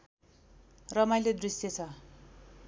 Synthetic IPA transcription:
rʌmajled̪risjet͡sʰʌ

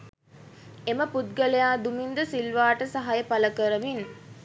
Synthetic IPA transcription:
eməput̪̚ɡəlejaːd̪umind̪əsilʋaːʈəsaɦajəpaləkəɾəʋin

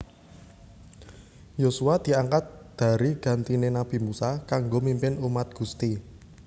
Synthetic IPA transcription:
josuad̪̥i̤aŋkat̪̚d̪̥ä̤ɾiɡ̥a̤nt̪inenab̥i̤musakaŋɡomimpɪnumat̪̚ɡ̥ṳst̪i

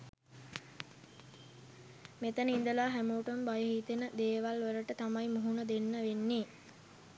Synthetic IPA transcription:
met̪ənəind̪əlaːɦæmuːʈəmbajəɦiːt̪enəd̪eːʋalʋəɾəʈət̪amajmuɦunəd̪enːəʋenːeː

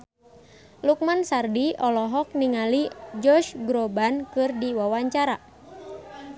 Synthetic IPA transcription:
luk̚mansardiɔlɔɦɔk̚niŋalid͡ʒɔrʃɡɾɔbankɨrdiwawaɲt͡ʃaɾa

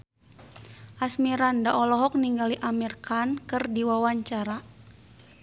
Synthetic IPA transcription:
ʔasmiɾandaʔɔlɔɦɔk̚niŋɡaliʔamirkankɨrdiwawaɲt͡ʃaɾa

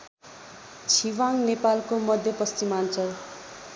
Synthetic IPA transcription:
t͡sʰiwaŋnepalkomʌd̪ʱjʌpʌst͡simant͡sʰʌ

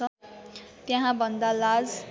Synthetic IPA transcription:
ʌ | t̪jãɦãbʱʌnd̪alad͡z

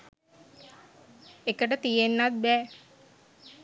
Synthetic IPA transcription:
ekəʈət̪ijenːat̪̚bɛː

